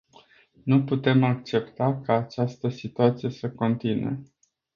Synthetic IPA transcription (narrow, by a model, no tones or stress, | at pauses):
nuput̪e̞mak̚t͡ʃe̞pt̪akaːt͡ʃast̪əsit̪uat̪sije̞səko̞nt̪inṵe̞